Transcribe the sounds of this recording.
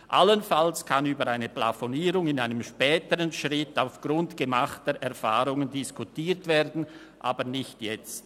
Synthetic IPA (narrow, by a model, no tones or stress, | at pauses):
ʔa̰lənfalskʰanyːbəɾaɪnəpla̰foniːɾʊŋɪnaɪnəmʃpɛːtəʁənʃʁɪtaʊfɡ̥ʁʊntɡ̥əmaχtəʔɛʁfa̰ːʁʊŋəndɪskutiːɾtv̥eːɾdn̩ | ʔa̰ːbənɪçtjɛt͡st